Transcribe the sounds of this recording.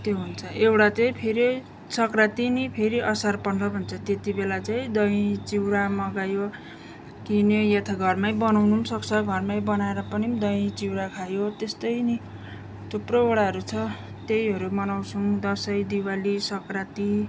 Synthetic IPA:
t̪joɦunt͡sʰʌewɽat͡saĩpʰeɾi | sʌkrat̪inipʰeɾiʔʌsarpʌnɾʌbʱʌnt͡sʰʌt̪et̪ibelat͡saĩd̪ʌjĩt͡siwɾamʌɡajo | kinʌjet̪ʰaɡʱʌrmajbʌnawnusʌkt͡sʰʌɡʱʌrmajbʌnaeɾʌpʌnid̪ʌjĩt͡siwɾakʰajot̪est̪ʌjni | tʰuprooɽaɦʌɾut͡sʰʌ | t̪ejɦʌɾumʌnawt͡sʰud̪ʌsʌjd̪iwalisʌkrat̪i

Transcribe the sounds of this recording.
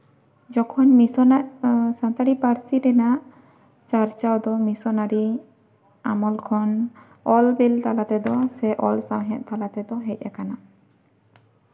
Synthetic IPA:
d͡ʒɔkʰɔnmisɔnasãt̪aɽipaɾt͡ʃiɾɛnaʔ | t͡ʃaɾt͡ʃawd̪ɔmisɔnaɾi | amɔlkʰɔn | ɔlbilt̪alat̪ɛd̪ɔasɛʔɔlsaɾɦɛ̃ʔ̪̚t̪alat̪ɛd̪ɔɦɛc̚ˀɛ̰kana

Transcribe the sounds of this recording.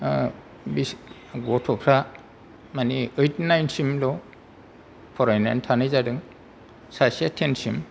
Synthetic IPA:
bis | ɡɔtʰɔpʰɾa | maniɯjtnajnsimlɔ | pʰɔɾajnantʰanɯjzadɯŋ | sasiatʰensim

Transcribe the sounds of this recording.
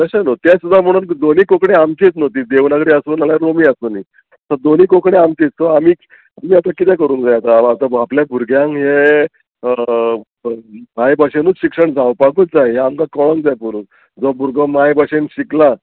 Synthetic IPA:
t̪əɕanot̪jasud̪ʱːam̤əɽ̃uːnd̪oniːkokɳeamt͡ɕit͡snot̪iːd̪eʋnaɡɾiəsuːnalaɾomiːəsoniː | səd̪oniːkokɳeamt͡siːt͡ssɔamiː | amiːat̪akit̪ɛ̃kəɾuːnd͡zajat̪aːt̪abapljabʱuɾɡjãŋɦe | majbaɕenuːt͡sɕikʂəɳd͡zawpakuːtd͡zajɦeamkakɔɭəŋd͡zajpuɾuːt͡s | d͡zɔbʱuɾɡɔmajbaɕenɕikla

